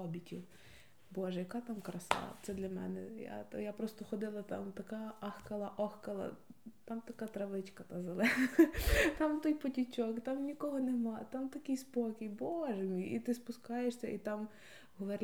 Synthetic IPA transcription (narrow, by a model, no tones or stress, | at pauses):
ɔbʲitʲiw | bɔʒɛjɐkɑt̪ɑmkɾɐsɑ̰t̪sɛd̪lʲɐmɛ̰nɛja̰t̪japɾɔst̪ɔxɔd̪ɪlˠɐt̪ɑ̰mt̪ɐkɑɐxkɐlˠɐʔɔxkɐlˠɐ̰t̪ɑmt̪ɐkɑt̪ɾɐʋɪt͡ʃkɐt̪ɐzɐlˠɛnɐt̪ɑmt̪ɔjpɔtʲit͡ʃʲɔkt̪ɑmnʲikɔɦɔnemɑt̪ɑmt̪ɐkɪjspɔkʲɪjbɔʒɛmʲijit̪ɪspʊskɑjeʃsʲɐ̰ʔit̪ɑm | ɦɔʋɐɾʲ